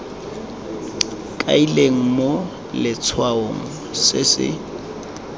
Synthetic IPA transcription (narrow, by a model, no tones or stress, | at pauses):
kʼa̰ileŋ̩mo | lɪt͡sʰwaoŋ̩sɪsɪ̰